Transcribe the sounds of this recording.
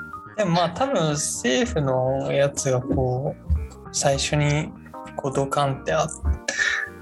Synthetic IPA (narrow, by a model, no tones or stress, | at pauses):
d̪̥e̞momaːt̪abɯ̟̃ɰ̃se̞ːɸɯ̟no̞jat͡sɨɡakoː | saiɕo̞ɲ̟i | ko̞ːd̪o̞kãnt̪e̞at̪ːe̥